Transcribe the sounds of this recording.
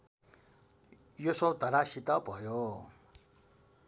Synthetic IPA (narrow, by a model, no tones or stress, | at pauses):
josot̪ʌɾasit̪ʌbʱʌjo